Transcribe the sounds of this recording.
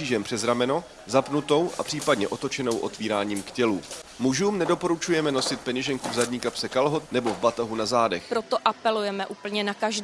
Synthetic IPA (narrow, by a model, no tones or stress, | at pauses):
iːʒɛmpr̝̥ɛzɾamɛno̞ | zapnut̪o̞wʔa̰pr̥iːpadɲɛʔo̞t̪o̞t͡ʃɛno̞wʔo̞̰t̪viːɾaːɲiːmkcɛluːmuʒuːmnɛdo̞po̞ɾut͡ʃujɛmɛno̞sɪt̪̚pɛɲɛʒɛŋkuvzadɲiːkapsɛkalɦot̪̚nɛbo̞vbat̪aɦunazaːdɛxpɾot̪o̞ʔapɛlujɛmɛʔupl̩ɲɛnakaʒd